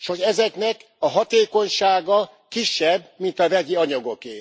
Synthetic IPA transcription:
ʃho̞ɟɛzɛknɛk | ɒɦɒt̪eːko̞ɲʃaːɡɒ | kiʃːɛbmint̪ɒvɛɟiɒɲɒɡo̞keː

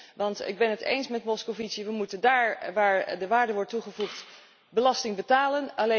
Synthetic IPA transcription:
ʋɑntɪ̰ɡ̚bɛnɦətḛjnsmɛtmɔskoviziʋəmutəndaːɹʋaːɹdəʋaːɹdəʋɔɹtːuχəvuχt | bəlɑstɪŋbətaːlənɑle

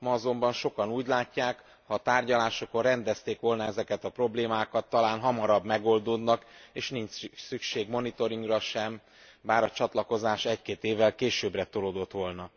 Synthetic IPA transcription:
mɒːzo̞mbɒnʃo̞kɒnuːɟlaːcːaːk | hɒt̪aːrɟɒlaːʃokorɛnd̪ɛst̪eːkʋo̞lnɒɛzɛkɛt̪ɒpro̞bleːmaːkɒt̪ːɒlaːnɦɒmɒɾɒbmɛɡo̞ld̪od̪nɒkeːʃniɲt͡ʃsykʃeːɡmo̞nit̪o̞ɾiŋɡrɒʃɛm | baːɾɒt͡ʃɒt̪lɒko̞zaːʃɛckeːt̪eːvːɛlkeːʃøːbrɛt̪olod̪o̞t̪ʋo̞lnɒ

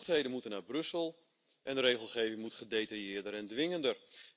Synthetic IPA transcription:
tɦejdənmutənabrøsəlˠ | ʔɛndəɾeːχəlˠχeːvɪŋmutχədejtajɪədəɾɛndʋɪŋəndər

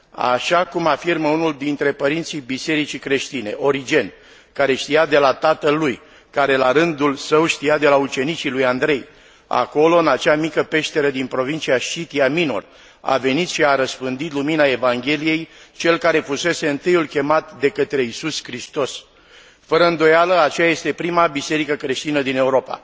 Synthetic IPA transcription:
a̰ʃakumafirməunuld̪int̪ɾe̞pəɾint̪sijbise̞ɾit͡ʃikɾe̞ʃt̪ine̞ʔo̞ɾid͡ʒe̞n | kaɾe̞ʃt̪ijad̪e̞lat̪at̪əlːuj | kaɾe̞laɾɨnd̪ulsəwʃt̪ijad̪e̞laut͡ʃe̞nit͡ʃilujand̪ɾe̞j | a̰ko̞lo̞ɨnat͡ʃamikəpe̞ʃt̪e̞ɾed̪inpɾo̞vint͡ʃiaʃit̪iamino̞̰r | a̰ve̞nit̪ʃiaɾəspɨnd̪it̪luminae̞vaŋɡʲe̞lije̞jt͡ʃe̞lkaɾe̞fuse̞se̞ɨnt̪ɨjulkʲe̞mat̪d̪e̞kət̪ɾe̞isuskɾist̪o̞s | fəɾəɨnd̪o̞jaləat͡ʃeaje̞st̪e̞pɾimabise̞ɾikəkɾe̞ʃt̪inəd̪ine̞uɾo̞pa̰

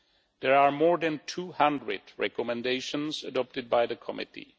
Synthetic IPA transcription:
ðɛɹaːɹmɔɹðæ̃ntʰuːhãndɹɨ̰dɹɛ̰kɔmɛ̃ndeɪʃə̃nzədɔp̚tɨd̚baɪðəkʰɔmɪ̰tḭ

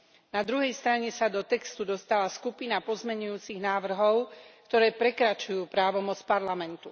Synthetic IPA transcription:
nad̪ɾuɦɛjst̪ɾaɲɛsad̪ɔt̪ɛkst̪ud̪ɔst̪alaskupinapɔzmɛɲujuːt͡siɣnaːʋr̩ɦɔʊkt̪ɔɾɛːpɾɛkɾat͡ʃujuːpɾaːʋɔmɔt͡spaɾlamɛnt̪u

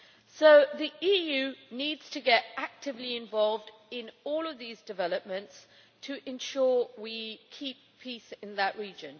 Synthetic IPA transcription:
soʊðiʔiːjʉːniːdz̥tʰəɡɛtak̚tɪvliɪ̃ɱvɒlˠvd | ɪ̃nɔːləvðiːzdɪvɛləp̚mə̃nts | tʰəʔɪ̃nʃɔːwikʰiˑpʰiˑsɪ̃nðəʔɹiːd͡ʒə̃n

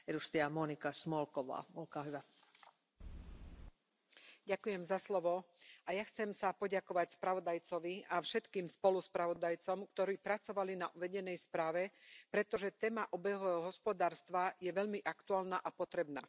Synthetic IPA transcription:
ɛdust̪iamɔnikasmɔlkɔʋa̰ːmɔlkaːɦyʋa | ɟakujɛmzaslɔʋɔʔajaxt͡sɛmsapɔɟakɔʋacspɾaʋɔd̪ajt͡sɔʋiafʃɛt̪kiːmspɔluspɾaʋɔd̪ajt͡sɔmkt̪ɔɾiːpɾat͡sɔʋalinaʔuʋɛɟɛnɛjspɾaːʋɛpɾɛt̪ɔʒɛt̪ɛːmaʔɔbɛɦɔɦɔɦɔspɔd̪aːɾst̪ʋajɛʋɛʎmiʔakt̪uaːlnaʔapɔt̪ɾɛbna̰ː

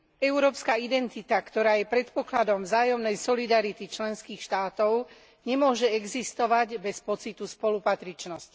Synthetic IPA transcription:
ɛʊɾɔːpskaid̪ɛnt̪it̪akt̪ɔɾaːjɛpɾɛt̪pɔklad̪ɔmvzaːjɔmnɛjsɔlid̪aɾit̪it͡ʃlɛnskiːxʃt̪aːt̪ɔʊ | ɲɛmʊɔʒɛɛɡzist̪ɔʋaɟbɛspɔt͡sit̪uspɔlupat̪ɾit͡ʃnɔsc

